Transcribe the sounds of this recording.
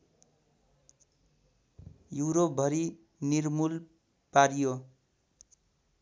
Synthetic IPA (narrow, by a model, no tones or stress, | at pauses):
juɾop̚bʱʌɾi | nirmul | paɾijo